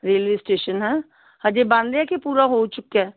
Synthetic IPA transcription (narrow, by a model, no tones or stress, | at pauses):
ɾeːlʋeːsʈeːʃənɦɛː | həd͡ʒebãnd̪ɛkepuːɾaɦot͡ʃʊkːɛː